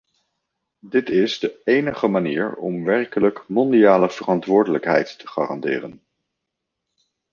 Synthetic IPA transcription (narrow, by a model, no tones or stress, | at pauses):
dɪtɪzdəejnəχəmaniːɹɔ̰mʋɛrkələkmɔndijaːləv̥ərɑntʋʊːɹdələkɦɛ̰jtːə̥χa̰ːrɑ̰ndɪ̰ːrən